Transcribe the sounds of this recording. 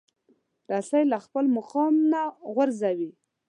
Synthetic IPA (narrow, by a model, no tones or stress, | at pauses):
d̪asajlaxpəlmʊqɑmnaɣwaɾzawi